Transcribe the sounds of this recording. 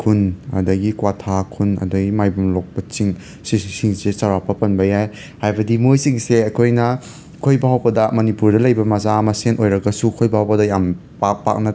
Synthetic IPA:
kʰunɐ̰dɐɡikwatʰakʰunɐ̰dɐɡimajbumlok̚pɐt͡ʃiŋ | sisiŋsesawɾapʰɐpɐnbɐjaj | hajbɐdimojsiŋseɐkʰojnɐ | kʰojbɐawbɐdɐmɐnipuɾdɐlɐjbɐmɐzamɐsenʔojɾɐɡɐsukʰojbaawbɐdɐjam | pak̚pa̰k̚nɐ

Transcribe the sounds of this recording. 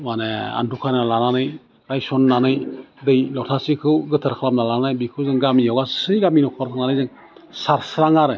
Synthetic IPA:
manea̰ndukʰannalananɯj | ɾajsɔnːanɯjdɯjlɔtʰasikʰɯwɡɯtʰɯɾkʰalamnalaanɯjbikʰɯwzɯŋɡamijawɡasɯjɡaminɔkʰɔɾtʰaŋnanɯjzɯŋ | saɾsɾaŋaɾɯ

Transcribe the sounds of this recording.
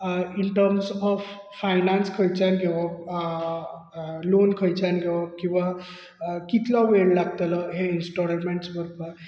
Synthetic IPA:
inʈəɾmsɔpʰ | pʰːajnanskʰəjt͡ʃʰanɡewɔ | lonkʰəjt͡ʃʰanɡewɔkĩwa | kit̪lawellaɡ̚t̪elɔɦeinsʈɔlmeɳʈsbəɾkə

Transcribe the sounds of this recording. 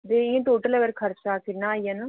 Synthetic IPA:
d̪eːĩʈoːʈəlɛːʋəɾkʰəɾt͡ʃaːkʰɪɾnãːiːaːnã

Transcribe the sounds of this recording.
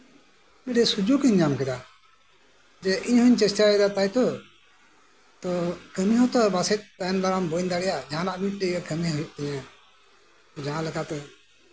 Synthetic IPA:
mɛɖɛsud͡ʒukiɲd͡ʒamkɛd̪a | d͡ʒɛʔiɲɦɔɲt͡ʃɛstjaɛd̪at̪ajt̪ɔ | t̪ɔkəmiɦɔ̃t̪ɔbasɛt̪̚ˀt̪anlaɾambɔnd̪aɽɛjad͡ʒʱãnaʔmiʈ̚ɖəjəkʰəmiɦɔiʔ̪̚ˀt̪ɛɲã | t̪ɔd͡ʒaãlɛkat̪ɔ

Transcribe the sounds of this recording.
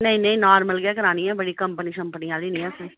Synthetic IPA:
nə̃ĩnẽĩːnaːɾməlɡɪaːkəɾaːnĩːɛ̃ːbəɽiːkəmpəniːʃəmpəniãːd̪iːnĩːɛ̃ːsə̃

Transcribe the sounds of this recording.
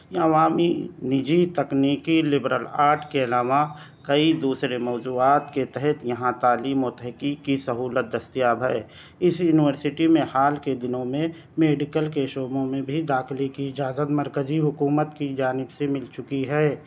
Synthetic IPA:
əʋaːminɪd͡ʒit̪ɐkniːkilɪbɾəlaːɾʈʰkeɐlaːʋa | kəid̪uːsɾemɔːd͡ʒuːaːt̪ket̪ɛɦɛt̪jɐɦãt̪aːliːmot̪əɦkikisəɦuːlət̪̚d̪əst̪ijaːbʱɛ | ɪsjuːnɪʋəɾsɪʈimẽhaːlked̪ɪnõmẽ | meːɖɪkəlkeʃoːbõmẽbʱid̪aːxɪlekiɪd͡ʒaːzət̪məɾkəziɦʊkuːmət̪kid͡ʒaːnɪbsemɪlt͡ʃʊkiɦɛː

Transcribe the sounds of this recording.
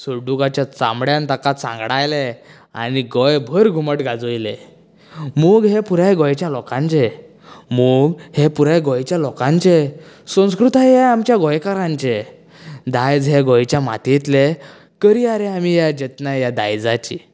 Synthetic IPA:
suɾɖukat͡ɕjat͡sã̰mɽjãnt̪akasã̰ŋɡɽajle | a̰niɡɔjbʱəɾɡʱuməʈɡʱad͡zojlḛ | muːɡɦepuɾajɡɔjt͡ɕjalɔkãɲt͡ɕe | muɡhepuɾaɡɔjt͡ɕjalɔkãɲt͡ɕe | sə̃w̃skɾut̪aɦeamt͡ɕjaɡɔjkaɾãɲt͡ɕe | d̪ajd͡zɦeɡɔjt͡ɕjama̰t̪it̪le | kəɾiaɾeamijad͡ʑet̪najad̪a̰jd͡zat͡ɕi

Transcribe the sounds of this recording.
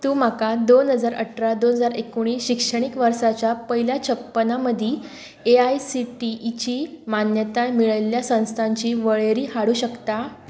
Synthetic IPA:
t̪uːm̤akad̪onɦəd͡zaɾə̰ʈʰɾad̪onɦəd͡zaɾekoɽ̃iːɕikʂəɽ̃ikʋəɾsat͡ɕjapəɦiljat͡ɕʰəpːənaməd̪ʱiː | eajsiʈit͡ɕiːmanjət̪ajmiɭəljasə̃w̃st̪ʰãɲt͡ɕiːʋəɭeɾiːɦhaɽuːɕəkt̪a

